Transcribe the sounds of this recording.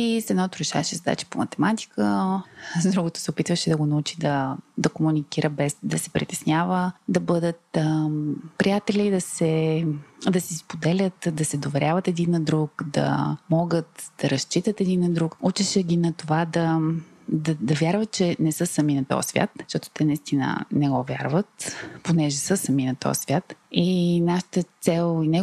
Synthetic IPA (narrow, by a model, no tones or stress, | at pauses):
isɛd̪nat̪ʊɾɛʃa̰vɐʃɛzɐd̪a̰t͡ʃi̥pomɐt̪ɛmat̪i̥kə | zd̪ɾuɡot̪ʊ̥sɛopit̪vəʃɛd̪ɐɡonɐut͡ʃid̪ɐd̪ɐkomunikiɾəbɛsd̪ɐsɛ̥pɾit̪ɛsnʲjavəd̪ɐbɤd̪ət̪ | pɾijat̪ɛlʲid̪ɐsɛ | d̪ɐsɛspod̪ɛlʲət̪d̪ɐsɛd̪ovɛɾʲʔavət̪ɛd̪inːɐd̪ɾukd̪ɐ̰mɔɡət̪d̪̥ɐɾɐst͡ʃit̪ət̪ɛd̪inːɐd̪ɾukut͡ʃɛʃɛɡʲinɐt̪ovad̪ɐ | d̪ɐd̪ɐvʲjaɾvət̪̚t͡ʃɛnɛsɤsɐminɐt̪ɔ̰jsvʲja̰t̪ʃt̪ɔt̪o̥t̪ɛnɐist̪inə̰nɛɡɔvʲja̰ɾvət̪ponɛʒɛsəsɐminɐt̪ɔ̰svʲat̪inaʃə̥t̪ət̪sɛlˠinɛ